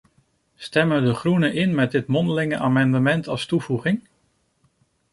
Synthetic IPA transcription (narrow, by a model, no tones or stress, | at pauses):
stɛməədəχrunəʔɪnmɛt̚dɪtmɔndəlɪŋəʔaːmɑndəmɛntɑlˠstuvuχɪŋ